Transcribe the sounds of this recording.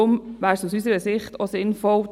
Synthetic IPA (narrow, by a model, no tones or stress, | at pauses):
ʊmʋæːɾsusysəɾəsɪχtosɪnfɔl